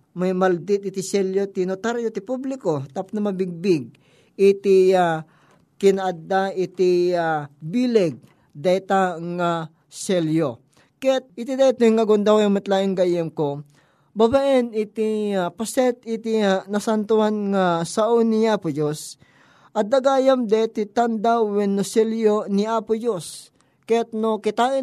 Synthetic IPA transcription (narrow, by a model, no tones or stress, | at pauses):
mɐjmɐld̪ɪt̪̚ɪt̪ɪsɛljot̪inot̪aɾjot̪ɪpublɪkot̪apʊ̥nɐmɐbɪɡ̚bɪɡ̚ | ɪt̪ia | kɪnaʔad̪aʔɪt̪iabilɛɡ̚ | d̪ajt̪aŋa | sɛljo | kɛt̪̚ɪt̪id̪at̪oŋːɐɡond̪awjaŋmɐt̪laɪŋɡajɛmko | babaʔɛnɪt̪iapɐsɛt̪ɪt̪ianɐsant̪ʊanŋasɐʔoniapʊd͡ʒos | ʔɐd̪aɡajɐmd̪at̪it̪and̪awɛnːosɛljoniapʊd͡ʒos | kɛt̪̚nokɪt̪aːɪ